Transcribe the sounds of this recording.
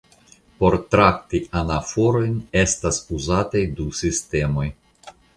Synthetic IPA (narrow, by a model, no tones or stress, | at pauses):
po̞ɾtɾaktianafoɾo̞jne̞stasuzatajdusiste̞mo̞j